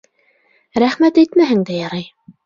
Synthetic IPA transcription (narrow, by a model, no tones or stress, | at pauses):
ɾæχmæt̪æjt̪mæɦɘ̆ŋd̪æjɑɾɑj